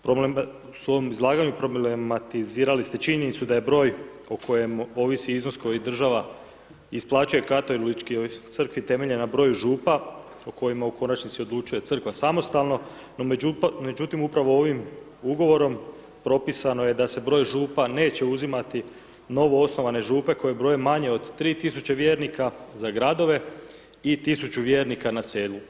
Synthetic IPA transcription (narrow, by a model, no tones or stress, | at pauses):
pɾoble | so̞ʋomizlˠaːɡaɲupɾo̞blemat̪iziːɾalist̪e̞t͡ʃiɲe̞nit̪sud̪aje̞bɾo̞ːj | okʰo̞je̞mo̞ʋisiizno̞sko̞jid̪r̩ʒaʋa | isplˠaːt͡ʃuje̞kat̪olit͡ʃkiot̪sɨr̩kʋit̪e̞me̞ʎe̞nabɾo̞ːjʒuːpa | oko̞jimauko̞nat͡ʃnit̪sio̞d̪lˠut͡ʃuje̞t̪ɨr̩kʋasamo̞st̪alˠno̞ | no̞mume̞d͡ʑut̪imupɾaʋo̞o̞ʋim | uɡo̞ʋo̞ɾo̞m | pɾo̞pisano̞je̞d̪ase̞bɾo̞jʒuːpane̞ːt͡ɕe̞uzimat̪i | no̞ʋo̞o̞sno̞ʋane̞ʒuːpe̞ko̞je̞bɾo̞jemaɲe̞o̞d̪t̪ːɾiːt̪isut͡ɕeʋje̞ːɾnikazaɡɾad̪o̞ʋe̞ | it̪isut͡ɕuʋje̞ːɾnikanaseːlˠu